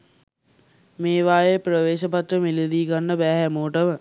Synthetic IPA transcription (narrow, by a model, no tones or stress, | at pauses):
meːʋaːjeprəʋeːʃəpat̪ɾəmilid̪iːɡanːəbæːɦæmoːʈəʋə